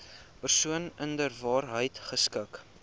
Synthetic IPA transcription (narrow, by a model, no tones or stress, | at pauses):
pərsuənəndərvɑːrɦəjtχəskək